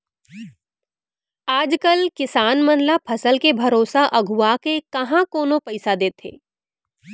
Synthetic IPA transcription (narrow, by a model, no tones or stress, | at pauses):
aːd͡ʒkəlkɪsaːnmɐnlapʰɐsəlkebʱɐɾoːsaʔɐɡʱuakekɐɦãkoːnõpɐɪsad̪eːt̪ʰḛː